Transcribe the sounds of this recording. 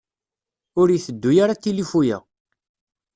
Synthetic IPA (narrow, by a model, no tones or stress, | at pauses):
ʊɾjiθəd̪ːujaɾat̪ːilifujæ̰